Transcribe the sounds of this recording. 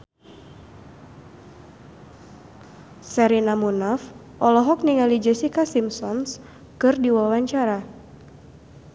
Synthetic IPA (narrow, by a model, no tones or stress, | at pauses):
sɛɾinamunaf | ʔɔlɔɦɔk̚niŋalid͡ʒɛsikasimsɔns | kɨrdiwawaɲt͡ʃaɾa